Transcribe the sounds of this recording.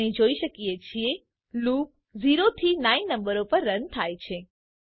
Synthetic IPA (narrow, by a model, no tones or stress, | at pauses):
ĩd͡ʒoiʃəkiet͡ʃʰie | lup̚ | ziɾot̪ʰinãinːəmbəɾopəɾːənt̪ʰajt͡ʃʰe